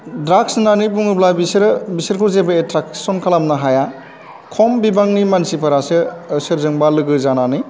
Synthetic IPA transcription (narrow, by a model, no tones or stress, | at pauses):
dɾaksnanip̬uŋɯblajbisɾbisɯɾkʰuzebɐetɾaksɔnkʰalamnaɦaja | kʰɔmbibaŋnimansipʰɐɾasɯsɯɾzɯŋbalɯɡɯzanani